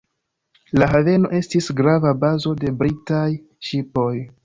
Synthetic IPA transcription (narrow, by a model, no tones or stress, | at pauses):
laɦave̞no̞̰ʔe̞stisɡɾavabazo̞de̞bɾitaj | ʃipo̞j